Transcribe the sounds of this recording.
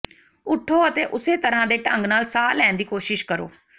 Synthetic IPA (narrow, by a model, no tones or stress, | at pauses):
ʊʈʰːoːət̪eːʔʊseːt̪əɾãːd̪eːʈəŋɡnaːlsaːlɛːnd̪iːkoːʃɪʃkəɾo̰ː